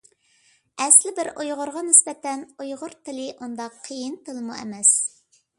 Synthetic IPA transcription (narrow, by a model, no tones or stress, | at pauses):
ɛslɪbɪɾʔojʁʊɾʁɑnɪsbɛt̪ɛnojʁʊɾt̪ʰɪlɪʔund̪ɑqʰːəjint̪ɨlˠɨmuɛ̰mɛs